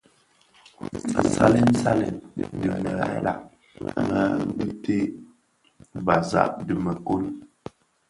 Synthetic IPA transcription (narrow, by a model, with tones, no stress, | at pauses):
sa̰˦lɛ˦n˦sa˦lɛ̰˨dɨ˨mə˨ɣa˨˦la˨ʔ | ŋə˦te˦ | ba˨za̰˦˨ʔdɨ˨mə˨ko˦l